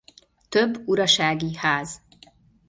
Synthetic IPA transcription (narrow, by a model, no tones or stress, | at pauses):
t̪øbːuɾɒʃaːɡihaːz